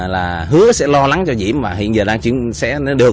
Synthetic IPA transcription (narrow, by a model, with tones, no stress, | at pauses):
laː˨˩ | ɦɨ˨˦əsɛ̰˧˥lɔ˧la˨˦ŋt͡ɕɔ˧zḭ˧˩˨əmmaː˨˩ɦḭ˧˨ənzəː˨˩ɗaː˧ŋt͡ɕwi˧˩əsɛ̰˧˥n˨˦ɗɨ˨˩ə